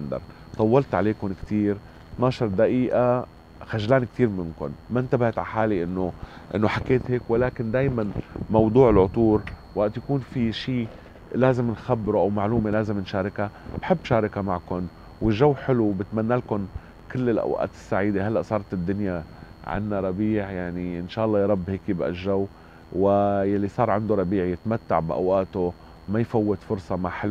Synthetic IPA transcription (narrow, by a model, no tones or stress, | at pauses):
nd̪ɑ̰ɾˤ | t̪ˤɑwːɑlt̪ʕa̰leːkʊnkt̪iːɾ | t̪nɑːʃɑɾˤd̪aʔiːʔa | xaʒlaːnik̚t̪iːɾmɪnkʊ̰nmaʔnt̪abaht̪ʕaħaːliʔɪnːoʔɪ̰nːoħakːeːt̪heːkwalaːkɪnd̪aːjmanmɑwd̪ˤuːʕɪlʕʊt̪ˤuːɾwaʔt̪jakuːnfiʃiː | laːzɪmnxabːɾuʔawmaʕluːmelaːzɪmnʃaːɾˤɪkab̥ħɪbːʃaːɾˤɑkamaʕkʊn | wɪʒːawːħɪlubɪt̪manːalkʊn | kɪlːɪlʔa̰wʔa̰ːt̪ɪ̥sːaʕiːd̪eɦalːaʔsˤɑːɾˤt̪ɪd̪ːʊnja | ʕɪ̰nːaɾˤɑbiːʕjaʕniʔɪnʃaːʔɑlˤːɑːjɾˤɑbːheːkjɪbʔa̰ʒːawː | wɪjalːisˤɑːɾˤʕand̪oɾˤɑbiːʕjɪt̪mat̪ːa̰ʕbʔa̰wʔaːt̪o | majfawːɪt̪fʊɾsˤɑmaʕħal